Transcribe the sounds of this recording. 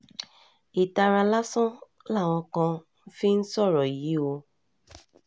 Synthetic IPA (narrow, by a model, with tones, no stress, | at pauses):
i˨ta˧ɾa˧la˦sɔ̃˦ | la˦˨w̃ɔ̃˧kã˧n̩˦fi˦n̩˦sɔ˦˨ɾɔ˨ji˨i˨˦o˧